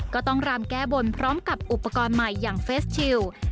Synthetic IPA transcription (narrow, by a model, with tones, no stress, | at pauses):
kkɔː˥˩t̪ɔ˥˩ŋɾaː˧mkɛː˥˩bo˧npʰɾɔː˦˥mka˨˩p̚ʔu˨˩pːa˧kɔː˧nma˨˩jːaː˨˩ŋfeː˦˥st̚t͡ɕʰi˧w